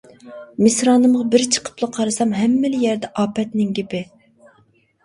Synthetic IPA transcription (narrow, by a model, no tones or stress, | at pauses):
mɪsɾɑːnɨmʁɑbɪɾt͡ʃʰə̥qʰə̥plˠɑqʰɑɾɨsɑmɦɛmːɪlɪjɛɾd̪ɛʔɑːpɛt̪nɪŋɡʲepɪ